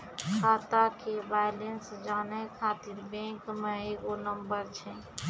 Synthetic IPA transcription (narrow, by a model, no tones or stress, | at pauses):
kʰaːt̪akebaːjlensd͡ʒaːnekʰaːt̪iɾbẽːkmẽekonəmbəɾt͡ʃʰɛ̃